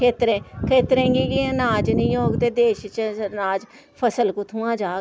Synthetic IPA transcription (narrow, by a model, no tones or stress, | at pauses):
eːt̪ɾẽːkʰeːt̪ɾẽːɡiːɡiːnaːd͡ʒnəĩːoːkd̪eːd̪eːʃt͡ʃnaːd͡ʒ | pʰəsəlkʊt̪ʰũːãːd͡ʒaː